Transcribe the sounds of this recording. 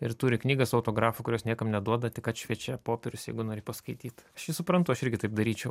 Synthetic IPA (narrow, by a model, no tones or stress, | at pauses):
ɪɾt̪uːɾʲɪknʲiːɡɐsɐʊt̪oːɡɾɑːfʊkʊɾʲoːsnʲiɛkɐmnʲɛd̪uɔd̪ɐt̪ʲɪkɐt̪ʃʲʋʲiɛt͡ʃʲɛpoːpʲɛɾʲʊsjɛɪɡʊnoːɾʲɪpɐskɐɪt̪ʲiːt̪ɐʃjɪsʊpɾɐnt̪ʊɐʃɪɾʲɡʲɪt̪ɐɪp̚d̪ɐɾʲiːt͡ʃʲɛʊ